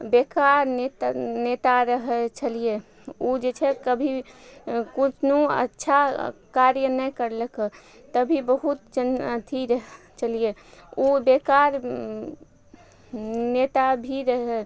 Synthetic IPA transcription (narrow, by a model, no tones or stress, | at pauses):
bekaɾnet̪net̪aɾəɦɛt͡ʃʰəlije | od͡ʒet͡ʃʰɛkəbʱi | kut͡ʃʰnuə̰tːʃʰakaɾjənɛkəɾlək | t̪əbʱibəɦut̪̚d͡ʒənt̪ʰiɾəɦ | t͡ʃəlijeobekaɾ | net̪abʱiɾəɦɛ